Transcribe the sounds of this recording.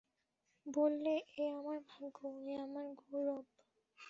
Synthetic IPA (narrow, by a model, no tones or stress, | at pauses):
bolːeʔeamaɾbʱaɡoeamaɾɡoɾɔb